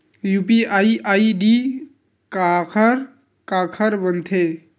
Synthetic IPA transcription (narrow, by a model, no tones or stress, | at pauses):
jupiaiʔaiɖi | kakʰəɾ | kakʰəɾbənt̪ʰe